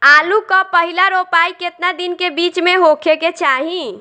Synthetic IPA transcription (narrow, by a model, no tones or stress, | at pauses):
alukɔpəɦilaɾopaiket̪nad̪inkebit͡ʃmeɦokʰeket͡ʃaɦi